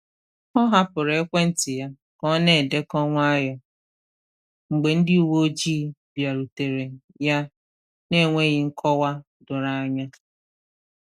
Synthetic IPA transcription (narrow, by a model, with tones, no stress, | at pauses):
ɔ˦ɦa˦pʊ˨ɾe˨e˦kʷe˦n̩˦tɪ˨ja˦ | kɔ˦ne˦˨e˨de˦kɔ˦ŋʷ˦a˦jɔ˨ | ŋ͡m̩˨ɡ͡be˨n̩˦dɪ˦u˨wo˦o˦d͡ʒiː˦bja˨ɾu˨te˨ɾe˨ | ja˦ | ne˦˨ŋʷe˦ɣɪ˦ŋ̩˦kʰɔ˦wa˦ | dʊ˨ɾa˦ɲa˦